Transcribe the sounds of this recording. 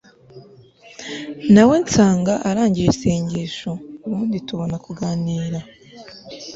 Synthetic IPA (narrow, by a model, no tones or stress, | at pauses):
nawe̞nt͡saːŋɡaʔaɾaːɲɟijesiːɲɟiːʃouβuːndituβo̞nakuɡaːniːɾa